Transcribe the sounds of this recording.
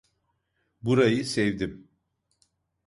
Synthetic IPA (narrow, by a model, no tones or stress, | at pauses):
buɾajɯsɛvd̪im